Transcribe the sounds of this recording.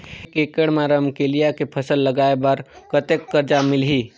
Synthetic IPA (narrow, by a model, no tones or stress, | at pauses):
kekeɽmaːɾəmkelijakepʰɐsəlːɐɡaːebɐɾkət̪ekːəɾd͡ʒamɪlɦiː